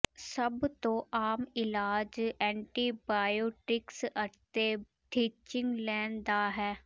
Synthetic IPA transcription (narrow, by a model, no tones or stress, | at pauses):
səbt̪õːʔaːmɪlaːd͡ʒɛ̃ːɳʈiːbaːjoːʈɪksət̪eː | ʈiːt͡ʃɪŋɡlɛːnd̪aːɦɛː